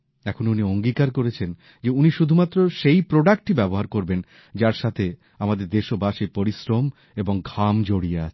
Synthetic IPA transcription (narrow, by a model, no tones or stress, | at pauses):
ɛkʰonunioŋɡikaɾkoɾet͡ɕʰen | d͡ʑeuniʃud̪ʱumat̪ːɾoʃejpɾoɖak̚ʈ̚ʈibɛboɦaɾkoɾben | d͡ʑaɾʃat̪ʰe | amad̪eɾd̪eʃobaʃipoɾisɾom | eboŋɡʱamd͡ʑoɽiea̰t͡ɕʰe̥